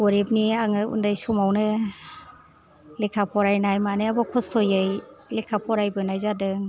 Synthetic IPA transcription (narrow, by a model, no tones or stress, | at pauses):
ɡɔɾep̚niaŋɯṵndajsɔmawnɯ | lekʰapʰɔɾajnajmanɯabɔkʰɔstʰɔjajlekʰapʰɔɾajbɯnajzadɯŋ